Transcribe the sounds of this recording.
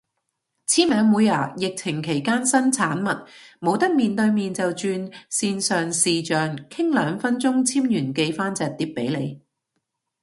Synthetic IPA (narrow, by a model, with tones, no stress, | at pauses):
t͡sʰiː˥mɛː˨˧ŋmuː˨˧ja̰ː˨˩jɪ˨k̚t͡sʰɪ˨˩ŋkʰe˨˩jkaː˥nsɐ˥nt͡sʰaː˨˥nmɐ˨t̚mo˨˧wt̪ɐ˥k̚miː˨nt̪ɵ˧ɥmiː˨nt͡sɐ˨wt͡ʃyː˧nsiː˧nsœː˨ŋsiː˨t͡ʃœː˨ŋkʰɪ˥ŋlœː˨˧ŋfɐ˥nt͡sʊ˥ŋt͡sʰiː˥mjyː˨˩nke˧jfaː˥nt͡sɛː˨t̪iː˧p̚pe˨˥jle˨˧j